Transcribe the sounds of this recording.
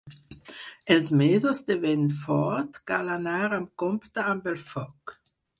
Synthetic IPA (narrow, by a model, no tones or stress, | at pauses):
ʔɛlsmeːzɔsd̪evɛnnfɔtɡ̥alanaːʁamkɔmptəambɛlfɔk